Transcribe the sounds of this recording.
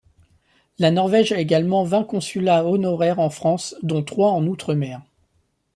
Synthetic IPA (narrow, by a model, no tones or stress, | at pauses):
lanɔʁvɛʒɛeɡalmɑ̃vɛ̃kɔ̃sylaɔnɔʁɛʁɑ̃fχɑ̃sd̪ɔ̃t̪χwaɑ̃nut̪χəmɛːʁ